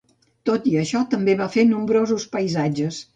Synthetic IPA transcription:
t̪ot̪iəʃɔt̪əmbeβafenumbɾozuspəjzad͡ʒəs

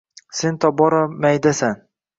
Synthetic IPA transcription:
sent̪ʰɒbɒɾamajd̪asan

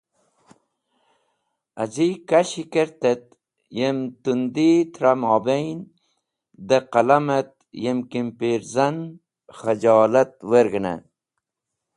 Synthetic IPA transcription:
azikaɕikeɾt̪et̪̚ | jemt̪und̪it̪ʰɾamɑːbejn | d̪əqalamɐt̪̚ | jemkimpiɾzan | χəd͡ʒɑːlat̪̚weɾɡəna̰

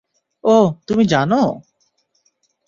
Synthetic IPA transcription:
oːt̪umĩd͡ʒano

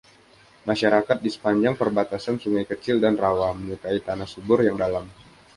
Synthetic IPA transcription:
maʃaɾakat̪̚disə̥paɲd͡ʒaŋpərbat̪asansuŋajkət͡ʃɪldanrawaməɲukait̪anasubʊrjaŋdalam

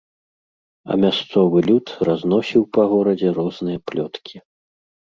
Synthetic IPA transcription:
ɐ̰mʲast̪sɔvɨlʲut̪raznɔsʲiwpɐɣɔɾɐd͡zʲɛɾɔznɨjɐplʲɔt̪kʲʰi

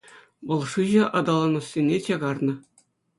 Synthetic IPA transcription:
ʋɤ̆lˠʂɯʑɤ̆ʔɑd̪ɑlˠɑnɤ̆sːʲenʲːet͡ɕɑɡɑrnɤ̆

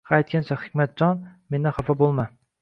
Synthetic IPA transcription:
haːjt̪kʲant͡ʃʰahɪ̥kʲmat̪̚d͡ʒɒnme̞nd̪ɪχafabolˠma

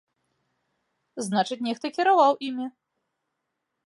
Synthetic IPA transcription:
znat͡ʂɨt͡sʲnʲɛxt̪ɐkʲiɾavawʔimʲi

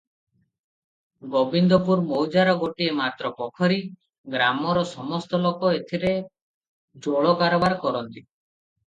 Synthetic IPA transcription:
ɡobind̪ɔpuɾmowd͡ʒaɾɔɡoʈiemat̪ɾɔpɔkʰɔɾi | ɡɾamɔɾɔsɔmɔst̪ɔlokɔet̪ʰiɾe | d͡ʒoɭɔkaɾɔbaɾkɔɾɔnt̪i

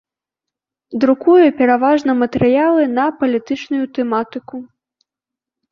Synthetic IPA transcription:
d̪ɾukujupʲɛɾavaʐnɐmɐt̪ɛɾɨjalˠɨnɐpɐlʲit̪ɨt͡ʂnujut̪ɛmat̪ɨku

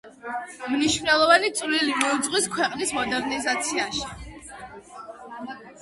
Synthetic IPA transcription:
mniʃvnɛlˠɔvanit̪sʼvlilimɔud̪zʼʁʼwiskʰwɛqʼnismɔd̪ɛɾnizat̪sʰiaʃi̥

